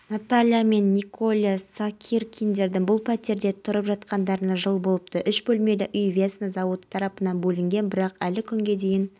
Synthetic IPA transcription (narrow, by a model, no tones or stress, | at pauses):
nat̪alʲijame̞nːikʰo̞lʲˠasakʲʰirkʲʰijnd̪e̞ɾd̪ɪŋbʊlˠpʰæt̪e̞ɾd̪e̞t̪ʰʊɾəpʒɑt̪qɑnd̪ɑɾənɑʒəlˠbo̞lˠəp̚t̪əʔʏʃbɵlme̞lɪʔʏjvʲet̪snəzɑwət̪t̪ʰːɑɾɑpənɑnbɵlɪŋɡʲe̞nbɪɾɑqælɪkʲʰʏŋɡʲe̞d̪e̞jɪn